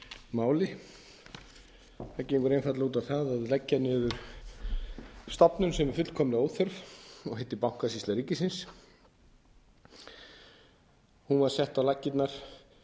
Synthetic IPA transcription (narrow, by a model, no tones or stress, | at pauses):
maːwlɪ | aceːjŋkʏɾejnfat̪lauːt̪aθaðaðlɛcːanɪðʏɾ̥ | st̪apnʏmsɛmfʏt̪l̥kʰɔːmlɪoːw̪θœɾvɔhejht̪ːɪpawŋ̥kasist̪aɾiːcɪsɪns | hunvaɾ̥sɛht̪awlacːɪt̪naɾ̥